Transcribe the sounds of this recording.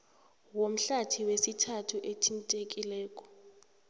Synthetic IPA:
wom̩ɬatʰiwesitʰatʰuʔetʰintʼek̬ʼilɛːkʼɔ̥

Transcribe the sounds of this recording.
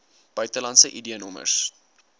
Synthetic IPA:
b̥œɥtəlɐntsəʔidiənɔmə̰rs

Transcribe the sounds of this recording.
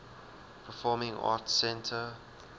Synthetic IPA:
pʰəfɔːmɪ̃ŋɑ̰tsɛ̃ntʰə

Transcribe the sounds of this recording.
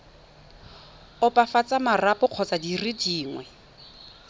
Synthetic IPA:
ʊpʼafat͡sʼamarapʼʊq͡χʰɔt͡sadiridiːŋwɛ

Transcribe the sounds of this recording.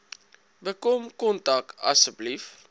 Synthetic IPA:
bəkɔmkɔntɐk̚ɐ̰səblif

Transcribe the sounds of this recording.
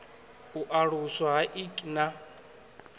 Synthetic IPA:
uʔaɺusaɦaʔikʼna

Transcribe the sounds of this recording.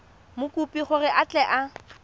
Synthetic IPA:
mʊkʼupʼiχʊrɪʔat͡ɬʼɛʔa

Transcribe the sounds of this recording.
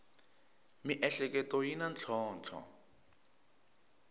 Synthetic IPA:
miʔɛɬɛk̬ʼɛtʼɔjinant͡ɬʰɔːnt͡ɬʰɔ̰

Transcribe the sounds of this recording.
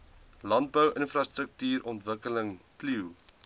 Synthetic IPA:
lɐnt̚bəwənfrɑstɾək̚tyːɾʔɔntvəkələŋpliw

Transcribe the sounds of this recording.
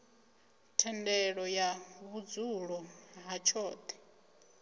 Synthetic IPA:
tʰɛndɛɺɔjaβud͡zuɺɔɦat͡ʃʰɔːt̪ʰɛ̥

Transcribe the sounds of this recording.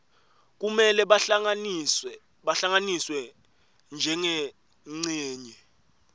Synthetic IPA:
k̬ʼumɛlɛa | aɬaŋaniswɛ | nd͡ʒʱɛŋe | ŋ͡ǀeːɲɛ

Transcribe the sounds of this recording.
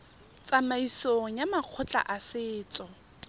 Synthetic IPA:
t͡sʼamaisoŋ̩jamaq͡χʰʊt͡ɬʼa̰ʔasɪːt͡sʼɔ

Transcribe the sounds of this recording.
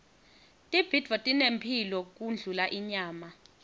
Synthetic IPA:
tʼib̥ʱid̥ʱvɔtʼinempʰilɔk̬ʼund͡ɮʱulaʔiɲaːma

